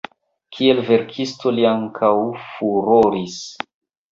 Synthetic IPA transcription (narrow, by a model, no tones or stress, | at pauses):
kʰielve̞ɾkʰisto̞liaŋkʰawfuɾoɾis